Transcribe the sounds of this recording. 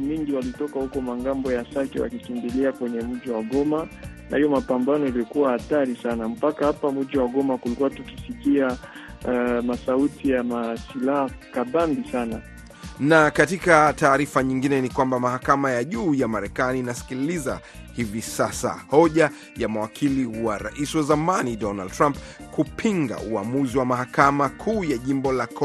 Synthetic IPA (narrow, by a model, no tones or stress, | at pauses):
miŋɡiwalitɔkahukɔmaŋɡambɔjasakɛ̰wa̰kikimbiliakwɛɲɛm̩ʄiwaɠɔmana̰hijɔmapambanɔjaliɔkuwahataɾisanam̩pakahapamm̩ʄiwaɠɔmakulikuwatukisikia | masautijamasilahakaɓambisana | nakatikataːɾifaɲiŋɡinɛnikwambamahakamajaʄuːjamaɾɛkaniːnasi̥kiliza̰ | hivisasa̰hɔʄa | jamawakʰiliwaɾa̰ʔisiwazamanidɔnald̚tɾamp | kupʰiŋɡa̰uamuziwamaɦakamakʰuːjaʄimbɔlak